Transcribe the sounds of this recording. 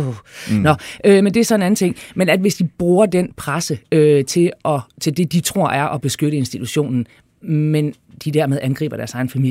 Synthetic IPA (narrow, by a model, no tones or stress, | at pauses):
nɒ̽ʔømend̥e̝æɐsɒ̽e̝næn̩t͡sʰe̝ŋ̰menæd̥ʋe̝sd̥ib̥ʁuːɐd̥en̰pʰʁasəøt͡sʰe̝lʔɒ̽t͡sʰe̝ld̥e̝d̥it͡sʰʁo̝ɐ̰ʔæɐʔɒ̽b̥e̝sɡ̥øɾəe̝nsd̥it͡sʰuɕo̝̰ːnn̩ | men | d̥id̥æɐmeð̞ˠænɡ̥ʁḭːb̥ɐɾ̥æɐsɑ̈ɪn̩fæmḭ